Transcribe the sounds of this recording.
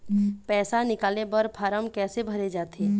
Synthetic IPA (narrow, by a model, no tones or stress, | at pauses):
pɛːsanɪkaːlebəɾpʰaːɾəmkɛːsebʱɐɾed͡ʒaːt̪eː